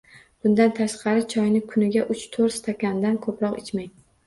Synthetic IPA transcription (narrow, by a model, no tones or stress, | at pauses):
b̥ʊnd̪ant̪ʰaʃqʰɑɾɪt͡ʃʰɒjnɪkʰʊnɪɡʲaʔʊt͡ʃt̪ʰoɾst̪ʰakʲand̪ankʰɵpɾɒqɪt͡ʃmaj